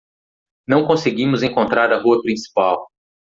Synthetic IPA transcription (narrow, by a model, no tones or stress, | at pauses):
nɐ̃w̃kõseɡĩmʊzẽkõnt̪ɾaɾɐɦuɐpɾĩsi̥paw